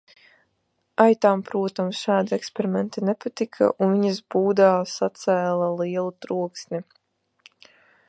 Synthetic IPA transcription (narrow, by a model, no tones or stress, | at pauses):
ajt̪aːmpɾuɔt̪amsʃaːd̪iekspeɾimɛnt̪inepat̪ikʰa̰ʔunviɲizbuːd̪aːsat̪sæːlˠalˠiɛlˠut̪ɾuɔksnʲi